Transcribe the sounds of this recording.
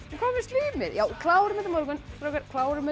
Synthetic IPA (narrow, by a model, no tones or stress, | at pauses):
t̪ɪɾkʰɔːmɪ̥st̪liːmɪɾjaːwkʰlawɾɪmɛt̪ɪmɔɾkʏnst̪ɾɔːwkaɾkʰlaːwɾɪmʏ